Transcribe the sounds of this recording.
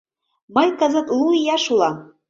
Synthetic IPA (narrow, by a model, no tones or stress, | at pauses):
mɤjkɑzɤt̪lˠuijɑʃulˠɑ